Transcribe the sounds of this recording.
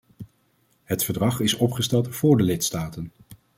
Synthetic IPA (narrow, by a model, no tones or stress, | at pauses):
ɦətfəɹdrɑχɪsɔpχəstɛlˠtv̥ʊːɹdəlɪtstaːtən